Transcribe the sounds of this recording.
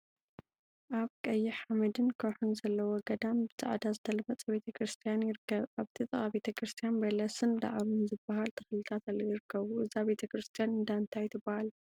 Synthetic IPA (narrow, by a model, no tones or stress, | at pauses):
ʔaβkʼɐjːɪħamɐd̪ɨnkʰoħunzɐlːɐwoɡɐd̪ambɨzʼa̰ʕd̪azɨt̪ʰɐlɐmɐt͡sʼɐbe̞t̪ʰɐkɾɨst̪ʰijanjɪɾɨkːɐβaβt̪ʰit̪ʼɨχʼaβe̞t̪ʰɐkɾɨst̪ʰijanbɐlɐsɨnd̪a̰ʕβnzɨbːahalt̪ʰɐxlɨt̪ʰat̪alːɐjɪɾɨkʰːɐβuʔɨzaβe̞t̪ʰɐkɾɨst̪ʰijanɨnd̪aɨnt̪ʰajɪt̪ʰɨbːahal